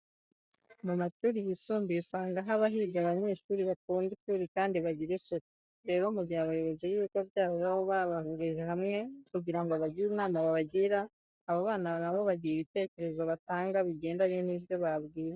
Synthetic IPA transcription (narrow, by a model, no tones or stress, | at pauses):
mumaʃuːɾiβisuːmbiusaːŋɡaɦaβaɦiɡaβaɲe̞ːʃuːɾiβakuːŋɡituːɾikaːndiβaɟiɾesoti̥ | ɾe̞ːɾo̞muɟiaβajo̞βo̞zejiikoβjaːβoβaβoβaβahuɡeʒeɦamŋe̞kuɟiɾaŋɡoaβaɟiɾunaːmaβaβaɟiɾaː | βaβaːnanaβo̞βaɟieβite̞ːce̞ɾe̞zo̞βataːŋɡaβiɡe̞ːndaɲeniβjo̞βaβɡiːɾe